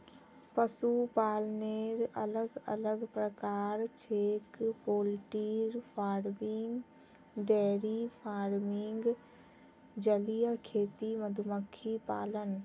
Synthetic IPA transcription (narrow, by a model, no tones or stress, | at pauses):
pəsupaːlneɾə̰ləɡə̰ləɡpɾəkaːɾt͡ʃʰeːkpoːlʈiːɾpʰaːɾmɪŋɡ | ɖɛːɾipʰaːɾmɪŋɡ | d͡ʒəlijəkʰeːt̪iməd̪ʱuməkʰːipaːlən